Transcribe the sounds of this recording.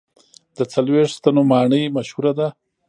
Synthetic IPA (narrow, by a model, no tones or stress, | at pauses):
d̪ət͡salweʂt̪anomɑɳəjmaʃhuɾad̪a